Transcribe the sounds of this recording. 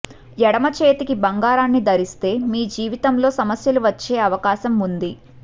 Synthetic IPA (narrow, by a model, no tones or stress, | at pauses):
jɛɽɐmɐt͡ʃeːt̪ikibɐŋɡaːɾaːnːid̪ɐɾist̪e̞ːmiːd͡ʒiːʋit̪ɐmlo̞ːsɐmɐsjɐluʋɐt͡ʃːe̞ːɐʋɐkaːʃɐmund̪i